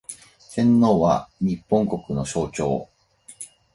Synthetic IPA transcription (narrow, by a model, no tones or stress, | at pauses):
sẽ̞nːo̞ːβa̰ɲ̟ipːõ̞ŋko̞kɯ̟no̞ɕo̞ːt͡ɕo̞̰ː